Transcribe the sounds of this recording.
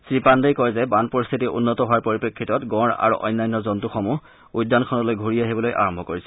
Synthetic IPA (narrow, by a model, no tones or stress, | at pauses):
sɹipandejkɔjzɛbanpɔɹist̪ʰitiṵnːɔtɔɦowaɹpoɹipekʰːitɔtɡɔɹa̰ɹṵʔɔ̰jnːajnːɔzɔntuxɔmu | ujdʱːankʰɔnɔlojɡʱuɹiaɦibɔlojʔa̰ɹɔmbʱɔkoɹisɛ